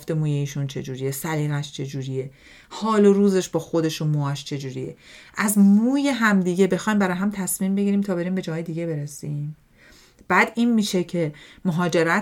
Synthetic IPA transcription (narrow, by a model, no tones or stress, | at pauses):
ft̪emuːjeiːʃunt͡ʃʰe̞d͡ʒuːɾijesæliːɣæʃt͡ʃʰe̞d͡ʒuːɾije̞ | hɒːloɾuːze̞ʃbɒːxo̞d̪e̞ʃunmuæʃt͡ʃʰe̞d͡ʒuːɾijḛʔæzmuːje̞ɦæmd̪iːɟe̞be̞xɒːjmbæɾɒːjɦæmt̪ʰæsmimbe̞ɟiɾiːmt̪ʰɒːbe̞ɾiːmbe̞d͡ʒɒːɦːjed̪iːɟe̞be̞ɾesiːm | b̥æːd̪iːnmiːʃe̞cʰemoɦɒːd͡ʒe̞ɾæ